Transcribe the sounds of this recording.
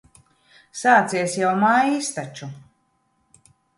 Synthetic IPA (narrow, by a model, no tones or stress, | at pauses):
saːt̪siɛsjawmaːjist̪at͡ʃu